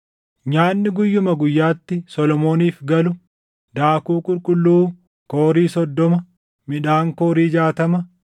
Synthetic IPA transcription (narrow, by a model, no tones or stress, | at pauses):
ɲaːnːɪɡʊjːʊmɐɡʊjːaːt̪ːɪsɔlɔmo̞ːniːfɡɐlʊ | d̪aːkuːkʼʊlkʼʊlːuː | koːɾiːsɔd̪ːɔmɐ | mɪᶑaːŋkoːɾiːd͡ʒaːt̪ɐmɐ